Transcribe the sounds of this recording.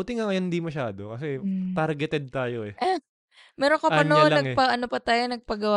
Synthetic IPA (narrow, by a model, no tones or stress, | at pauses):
ut̪ɪŋɐŋɐjɐnd̪imɐʃaːd̪okɐsɛt̪aɾɡɛt̪ɛd̪̚t̪aːjoɛʔa | mɛːɾoŋkoɐnoonlɐɐŋɛpɐʔɐnopɐt̪aːjonɐɡ̚pɐɡɐwa